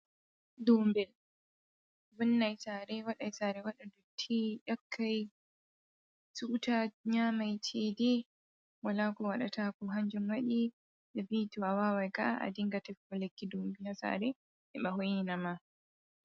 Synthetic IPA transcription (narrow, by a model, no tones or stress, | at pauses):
dɔmbɛl | vunːajsaɾɛwaɗajsaːɾɛwaɗadɔtʰiʔakʰːaj | suʔtaɲaːmajt͡ʃʰedɛ | walaːkɔwaɗatʰakɔɦaɲd͡ʒumwaɗi | ɓɛbituawaːwajka̰a̰diŋɡatɛfɔlekːidumbinasa̰ɾɛ | ʔɛɓahojinama